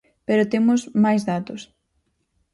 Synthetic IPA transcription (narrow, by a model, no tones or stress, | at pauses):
peɾot̪emʊsmajzðat̪ʊs